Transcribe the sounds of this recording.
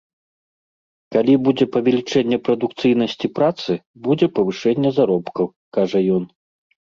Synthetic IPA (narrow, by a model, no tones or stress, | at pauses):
kalʲibud͡zʲɛpɐvʲɛlʲit͡ʂɛnʲːɛpɾɐd̪ukt̪sɨjn̪ɐsʲt͡sʲipɾat̪sɨbud͡zʲɛpɐvɨʂɛnʲːɛzaɾɔpkɐw | kaʐɐjɔn